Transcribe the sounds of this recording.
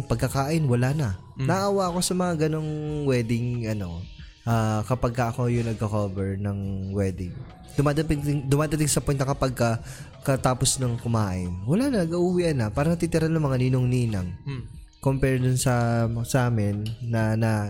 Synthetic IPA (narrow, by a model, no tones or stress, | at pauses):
pɐɡ̚kɐkaːʔɪnwɐlanɐ | nɐʔʔaːwaʔɐko̞sɐmɐŋaɡɐno̞ŋwɛːd̪ɪŋʔɐno̞ | ʔaːkɐpaɡ̚kɐʔɐko̞jʊŋnɐɡ̚kɐkovɛɹnɐŋwɛːd̪ɪŋ | d̪ʊmaːd̪ɐt̪ɪɪŋd̪ʊmaːd̪ɐt̪ɪŋsɐpɛnt̪ɐkɐpɐɡ̚kɐ | kɐt̪aːposnɐŋkʊmaːʔɪnwɐlaːnɐnɐɡɐʔuːwiːʔɐnːɐpaːɾɐnɐt̪iːt̪ɪɾanɐŋmɐŋaninoŋniːnɐŋ | kompɛɹd̪ʊnsɐsɐʔaːmɪnːɐnɐ